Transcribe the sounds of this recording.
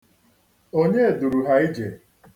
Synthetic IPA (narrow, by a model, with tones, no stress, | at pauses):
o˦ɲe˦e˨du˨ɾu˨ɦa˨˦i˦d͡ʒe˨